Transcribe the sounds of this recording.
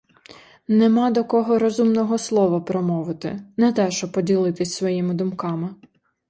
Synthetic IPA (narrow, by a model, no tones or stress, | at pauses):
nemɑd̪ɔkɔɦɔɾɔzumnɔɦɔslˠɔʋɐpɾɔmɔʋɪt̪ɪ̰nɛt̪ɛʃɔpːɔdʲilˠɪt̪ɪsʲsʋɔjimɪd̪ʊmkɑmɪ